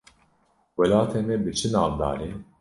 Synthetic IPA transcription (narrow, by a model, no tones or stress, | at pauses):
wɛlaːt̪ʰɛmɛbɨt͡ʃʰɨnaːvd̪a̰ːɾin